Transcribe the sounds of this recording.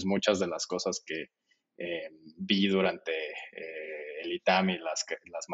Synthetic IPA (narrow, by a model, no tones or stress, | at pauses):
zmut͡ʃazðe̞lasko̞saske̞ | ebiðuɾant̪e̞eːlit̪amilaslazm